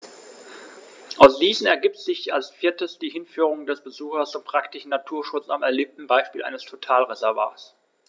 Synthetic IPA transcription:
ʔaʊsd̥iːsn̩ɛɐɡiːp̚tz̥ɪçalsfiːɐtəsd̥iːhɪnfyːʁ̞ʊŋdɛsb̥əzuːxɐst͡sʊmpʁ̥aktɪʃn̩natʰuːɐʃʊt͡samɛɐliːp̚tn̩baɪʃpiːlʔa̰ɪnəstʰotʰaːlʁezɛɐva̰ːɐs

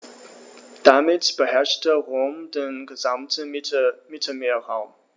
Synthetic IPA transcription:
d̥amɪtb̥əhɛɐʃtəʁoːmdeːnɡəzamtəmɪtʰəmeːɐʁaʊm

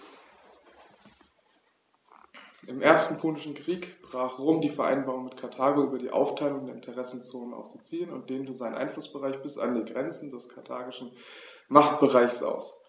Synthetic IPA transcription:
ʔɪmʔeːɐstn̩pʰʊːnɪʃn̩kʁ̥iːkb̥ʁaːχʁ̥oːmdiːfɛɐʔa̰ɪnbaːʁʊŋmɪtkʰaɐtʰaːɡoʔyːbɐdiːʔa̰ʊftʰaɪlʊŋdeːɐʔɪntʰəʁɛsn̩t͡soːnəna̰ʊfsz̥ot͡siːənʊnt̚d̥eːmtəzaɪnənʔa̰ɪnflʊsb̥əʁaɪçb̥ɪsa̰ndiːɡʁɛnt͡sn̩dɛskʰaɐtʰaːɡɪʃn̩ | maχt̚b̥əʁaɪçsʔa̰ʊs

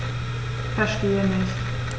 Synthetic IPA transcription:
fɛɐʃteːənɪçt

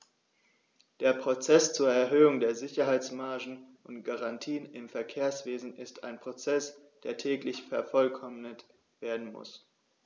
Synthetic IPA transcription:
d̥eːɐpʁ̥ot͡sɛst͡suːɐɛɐɦøːʊŋdeːɐzɪçɐɦaɪt͡smaɐʒn̩ | ʊntɡ̥aʁantʰiːənɪmfɛɐkʰeːɐsv̥eːzn̩ɪstʰa̰ɪnpʁ̥ot͡sɛs | d̥eːɐtʰɛːklɪçfɛɐfɔlkʰɔmnət | v̥eːɐdn̩mʊ̰s

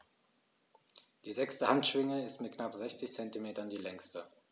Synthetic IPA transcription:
d̥iːzɛkstəhantʃv̥ɪŋəɪstmɪt̚knapz̥ɛçt͡sɪçt͡sɛntimeːtɐndiːlɛŋstə

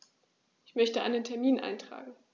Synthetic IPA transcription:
ʔɪçmœçtəʔa̰ɪnəntʰɛɐmiːnʔa̰ɪntʁ̥a̰ːɡŋ̩

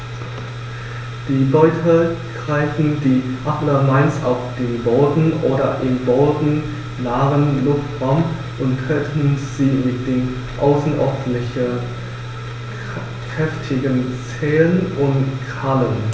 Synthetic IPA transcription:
d̥iːlɔʏtʰəɡ̥ʁaɪfn̩diːʔapləmaɪnsaʊfd̥eːnboːdn̩ʔoːdɐ̰ʔɪmboːdn̩ | naːʁənlʊftʁaʊm | ʔʊnttʁ̥ɛtʰn̩z̥iːmɪt̚d̥eːn | ʔaʊsn̩ʔɔɐdn̩ɪçə | kʁɛftʰɪɡənt͡sɛːənʔʊntkʰalən

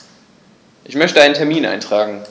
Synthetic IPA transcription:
ʔɪçmœçtəaɪnəntʰɛɐmiːnʔa̰ɪntʁ̥aːɡŋ̩

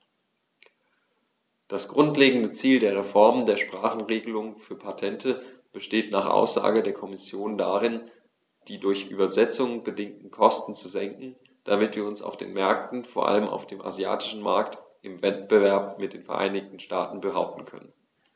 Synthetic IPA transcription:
d̥asɡ̥ʁʊntleːɡŋ̩dət͡siːldeːɐʁ̞efɔɐməndeːɐʃpʁ̥aːχn̩ʁeːɡəlʊŋfyːɐpʰatʰɛntʰəb̥əʃteːtnaːχʔa̰ʊsz̥a̰ːɡədeːɐkʰɔmɪsjoːndaʁɪn | d̥iːdʊɐçʔy̰ːbɐzɛt͡sʊŋbədɪŋtn̩kʰɔstn̩t͡suzɛŋkŋ̩ | d̥amɪtv̥iːɐʊnsa̰ʊfd̥ḛːnmɛɐk̚tn̩foːɐʔa̰ləmʔa̰ʊfd̥eːmʔa̰zja̰ːtɪ̥ʃn̩ma̰ɐktʔɪmvɛt̚b̥əvɛɐpmɪt̚d̥eːnfɛɐʔa̰ɪnɪçtn̩ʃtaːtn̩bəɦa̰ʊp̚tn̩kʰœ̰nən

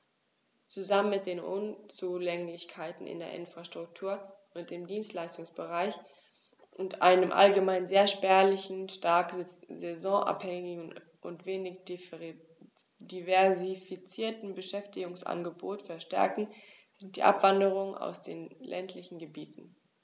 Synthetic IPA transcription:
t͡suzamənmɪt̚d̥eːnʔʊnt͡sulɛŋlɪçkʰaɪtn̩ʔɪ̰ndeːɐʔɪnfʁ̥aʃtʁ̥ʊk̚tʰuːɐʔʊnt̚d̥eːmdiːnstlaɪstʊŋsb̥əʁaɪç | ʔʊntʔa̰ɪnəmʔa̰lɡəmaɪnzeːɐʃpɛɐlɪçn̩ʃtaɐkzɛzɔ̃ʔa̰phɛŋɪɡ̩ | ʔʊ̰ntv̥eːnɪç̥ | divɛɐzifit͡siːɐtn̩bəʃɛftɪɡʊŋsʔa̰nɡəboːtfɛɐʃtɛ̰ɐkŋ̩ | z̥ɪnt̚d̥iːʔa̰pv̥andəʁ̞ʊŋəna̰ʊsd̥eːnlʔɛ̰ntʰlɪçn̩ɡəbiːtn̩

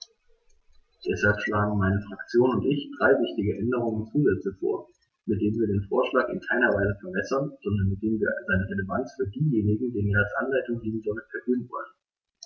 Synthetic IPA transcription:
d̥ɛshalpʃlaːɡŋ̩maɪnəfʁ̥akt͡sjoːnʊntʔɪçd̥ʁaɪvɪçtɪɡəʔɛndəʁ̞ʊŋənt͡suːzɛt͡səfo̰ːɐ | mɪt̚d̥eːmviːɐdeːnfo̰ːɐʃlaːkɪ̰nkʰaɪnɐvaɪzəfɛɐbɛsɐnz̥ɔndɐnmɪt̚d̥eːmviːɐazaɪnəʁeləvant͡sfyːɐdiːjeːnɪɡŋ̩deːnviːɐalsʔa̰nlaɪtʊŋdiːənzomətfɛɐhøːənvɔ̰lən

